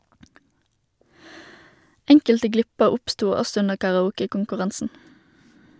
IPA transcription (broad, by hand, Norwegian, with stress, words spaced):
ˈɛŋkəltə ˈɡlɪpəʁ ˈʊpˌstuː ˈɔsɔ ˈʉnəʁ kɑʁɑˈuːkəkʊŋkʉˌʁɑnsn̩